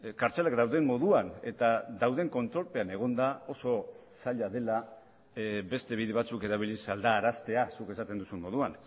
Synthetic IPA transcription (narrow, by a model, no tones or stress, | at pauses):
kaɾt͡selakd̪awðe̞mmo̞ðuane̞t̪aðawðe̞ŋko̞nt̪ɾo̞lpe̞ane̞ɣ̞o̞nd̪ao̞so̞ | saʎaðe̞la | be̞st̪e̞β̞iðe̞β̞at͡suke̞ɾaβ̞ilisald̪aːɾast̪e̞asuke̞sat̪e̞nd̪usunmo̞ðuan